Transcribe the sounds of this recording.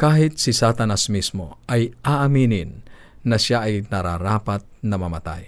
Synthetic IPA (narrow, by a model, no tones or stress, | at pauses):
kaːɦɪt̪̚sɪsat̪ɐnasmismoʔɐjʔaʔɐminɪnː | ɐʃaʔɐjnɐɾaɾaːpat̪̚nɐmɐmat̪a̰j